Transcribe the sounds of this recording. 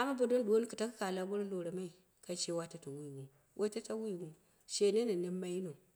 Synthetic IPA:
a˨ma˦bo˨do˦nɗu˨o˦n˦ku˨ta˦kka˨la˦bo˦ɾa˦lo˨ɾa˨ma˦i˨ | ka˦t͡ʃe˦wa˦ta˦ta˨wu˦i˨ɡu˨ | wʔe˦ta˦ta˦wu˦ji˨ɡu˦ | ʃe˨ne˦na˨ne˦mːa˦ji˦no˨

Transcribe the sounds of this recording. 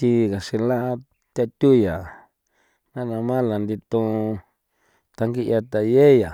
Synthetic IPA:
t̪i˧ɣa˨ʂi˧lã˦ʔa˧ | t̪a˧t̪u˦ja˨ | nã˦nã˧mã˦la˨nd̪i˧t̪õ˧ | t̪a˧ŋɡi˦ʔja˧t̪a˨je˦˨ja˨

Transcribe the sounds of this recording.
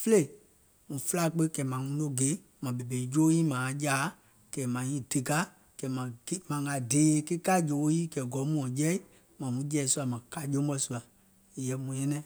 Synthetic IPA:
fe˦e˦˨ | mũ˨fə˦la˦˨k͡pe˦kɛ˨˦mã˨ŋũ˧˦lo˦ɡe˨˦ | mã˨be˨be˨i˨˦jo˦jiː˦mãː˨˦jaː˨˦ | kɛ˨mã˨ɲĩ˦˨d̥e˨ɡa˦ | kɛ˨˦mã˨ɡi˦mã˨ŋa˨deː˨˦kɨ˦ka˦d͡ʒo˨o˦jiː˦kɛ˨ɡɔ˨˦mũ˦ɔ̃˨jɛ˦i˦ | mã˨mũ˨˦d͡ʒɛː˨˦su˦a˨mã˨ka˧˨˦d͡ʒõ˦ɓɔ˧˦su˧˦a˨ | jɛ˨mũ˨ɲɛ̃˦nɛ̃˦˨

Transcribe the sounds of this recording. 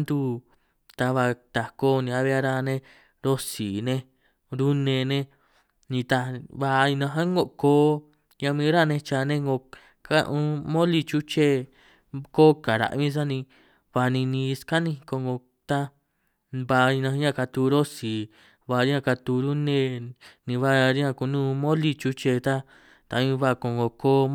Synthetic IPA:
nd̪u˧ | t̪a˧βa˧t̪a˧koː˦˧nĩ˧a˧βe˧˦a˦˧ɾa˧nẽ˧ | ɾo˦si˨nẽ˦˧ | ɾu˦nẽ˧nẽ˧ | nĩ˧t̪a˧βa˧i˧nã˧ɦã˦ŋɡo˧ʔkoː˦ | ɲã˧mĩ˧˦ɾa˦˧nẽ˧t͡ʃa˧nẽ˦ŋɡo˧ | ka̰˦ʔũ˧mõ˦li˧t͡ʃu˦t͡ʃe˦ | ko˦ka˨ɾa̰˨ʔmĩ˦s̬a˦nĩ˧ | βa˧nĩ˧nĩ˧ska˦nĩ˧ko˧ŋɡo˧ | t̪a˦ | βa˧i˧nã˧˦ã˧ka˧t̪u˧ɾo˦si˨ | βa˧ɾã˦˧˨ka˧t̪u˧ɾu˦nẽ˦˧nĩ˧βa˧ɾi˦ã˧ku˧˨nũː˦mõ˦li˦˧t͡ʃu˦t͡ʃe˧t̪a˦ | t̪a˧ĩ˧βa˧ko˧ŋɡo˧˨koː˦

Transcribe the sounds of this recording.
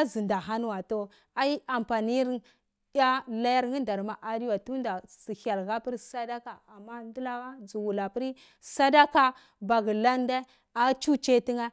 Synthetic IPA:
a˦zi˨nda˨ɦa˦n˦wa˨to˦ | a˦i˦a˨mpa˨ni˦ɾ | ɗa˦la˦ja˦ɾŋi˦nda˨ɾma˨ʔa˨di˦wa˨tu˦nda˨si˨ha˨lɣa˦pi˦ɾsa˦da˦ka˨a˨mːa˦ndi˦la˦a˦d͡zu˨wu˨la˨pi˦ɾi˦ | sa˦da˦ka˦ | ba˨ɡi˨la˦n˦da˦ | a˨˦t͡ʃu˦t͡ʃe˦ti˦ŋa˦

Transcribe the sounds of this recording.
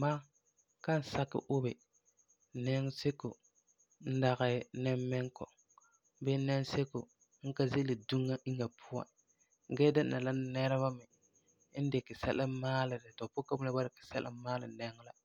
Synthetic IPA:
maː˦ | ka˦n̩˨sa˦kːɪ̰˨ʔʊ˦bɛ˨ | nɛ˦ŋ˦se˦ko̰˨ | n̩˦da˨ɣɛ˦nɛ˦mːɛ˦ŋkɔ˨ | bɛ˦nɛ˦ŋ˦se˦ko̰˨ | ŋ̩˦ka˦ze˦lɪ˨du˦ŋːa˦ʔi˦ŋa˨pʰʊ˦wa̰˨ | ŋ˨ɡɛː˦dɪ˦n˨na˨la˦nɛ˦ɾɛ˦βa˦mɛ˨ | ɪ˦n̩˦dɪ˨kɪ˨sɛ˦lʔɪ˦maː˦lɪ˨dɪ˨tɔ˨po˦ka˦bu˦la˦ba˦ɾɪ˨kɪ̥˨sɛ˦lʔɪ̰˦maː˦lɪ̰˨nɛ˦ŋ˦la˨

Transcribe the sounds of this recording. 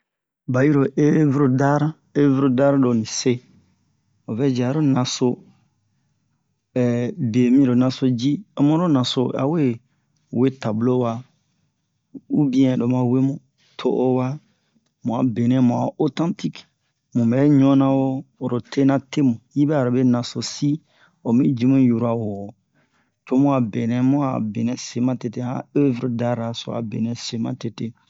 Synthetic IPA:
ba˨ji˦ɾo˨ʔe˦vɾo˨da˦ɾa˦ | e˦vɾo˦da˦ɾa˦do˨nĩ˨se˦ | o˨vɛ˦d͡ʒi˨a˨ɾo˦nã˨so˦ | ɛ˨be˨mĩ˦ɾo˨nã˨so˦d͡ʒi˦o˦mõ˦ɾo˦nã˨so˦a̰˨we˦ | we˦ta˨blo˦wa˦ | u˦bĩ˦ɛ̃˨do˨mã˨˦we˦mũ˦ | tʰo̰˦ʔo˦wa˦ | mũ˨a˨be˨nɛ̃˨mũ˨a˨o˦tã˦nti˦k | mũ˨mɛ˨˦ɲɔ̃˦nã˦wo˦o˨ɾo˨te˦nã˦te˦mũ˨ji˦bɛ˦a˨ɾo˨be˦nã˨so˨si˦ | o˨mĩ˦d͡ʒi˦mũ˦ju˦ɾa˨wo˨ | to˦mũ˦a˨be˨nɛ̃˨mũ˦a̰˨be˨nɛ̃˨se˨mã˦te˨te˦hã̰˦ø˦vɾo˨da˦ɾa˨so̰˨˦a̰˨be˨nɛ̃˨se˨mã̰˨te˨te˦

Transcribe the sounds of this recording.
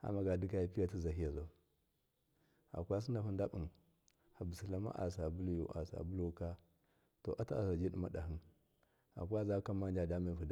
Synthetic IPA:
a̰˨ma˨ɡa˨du˦ka˦ja˨˦pi˦ja˦t̬i˦za˨ɦi˦ja˨za˨ | a̰˨kʷa˦s̬i˦n˦da˨fu˦nda˦ɓu˨n | ha˨bu˨si˨la˦ma̰˦ʔa̰˨s̬a˨bu˦lu˦jṵ˨ʔa̰˨sa̰˨bu˦lu˦ka˦ | to˨ʔa˦ta˦a˨s̬a˨d͡ʒi˦ɗi˦ma˦da˨ɦi˦n | a̰˨kʷa˦za˦ka˦ma˦n˦d͡ʒa˨da˦ma˦˨fu˨d

